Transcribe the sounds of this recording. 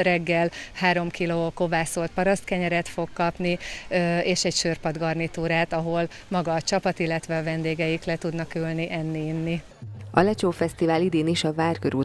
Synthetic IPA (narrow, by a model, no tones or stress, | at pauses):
rɛɡːɛlhaːɾo̞mkiloːko̞vaːso̞lt̪̚pɒɾɒst̪kɛɲɛɾɛt̪fo̞kkːɒpniøeːʃɛɟʃørpɒd̪ɡɒrnit̪uːɾaːt̪ɒɦo̞l | mɒɡɒːt͡ʃɒpɒt̪ilːɛt̪ʋɛɒvɛnd̪eːɡɛjiklɛt̪ud̪nɒkylniʔɛnːiːnːi | ɒ̰lɛt͡ʃoːfɛst̪ivaːlid̪eːniʃɒvaːrkøɾu